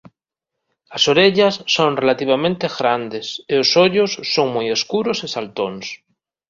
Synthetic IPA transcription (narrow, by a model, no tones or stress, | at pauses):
asoɾeʎasːonrelat̪iβ̞amẽnt̪eɣɾand̪eseosoʎosːoŋmujeskuɾosisalt̪ons